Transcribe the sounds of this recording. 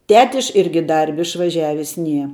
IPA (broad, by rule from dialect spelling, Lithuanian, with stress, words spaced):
ˈtʲæːtʲɪʃ ˈɪrʲɡʲɪ ˈdɐrʲbʲɪ ɪʃʋɐˈʒʲæːʋʲɪs ˈnʲiɛ